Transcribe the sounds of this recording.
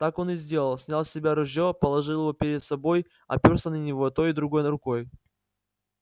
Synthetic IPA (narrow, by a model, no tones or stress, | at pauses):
t̪ako̞nɨzʲdʲe̞lˠəlˠsʲnʲalˠsʲɪbʲaɾʊʑʲjopəlˠɐʐɨlˠɪvo̞pʲɪɾʲɪd̪sɐbo̞j | ɐ̰pʲorsənənʲɪvot̪o̞jɪd̪ɾʊɡo̞jɾʊko̞j